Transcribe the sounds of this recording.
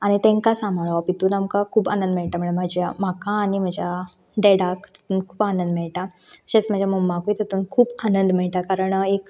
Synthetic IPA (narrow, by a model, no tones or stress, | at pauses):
aɽ̃it̪ẽŋkasamaɭʋapit̪uːnamkakʰuːpanə̃nd̪mɛɭʈ̪am̤əɳmad͡ʑjam̤akãːɽ̃im̤əd͡ʑja | ɖeɽakt̪ət̪uːnkʰuːpanənd̪mɛɭʈ̪a | əɕẽt͡sm̤ad͡ʑʱjaməmakujt̪ət̪uːnkʰuːbanənd̪mɛɭʈ̪akaɾəɳek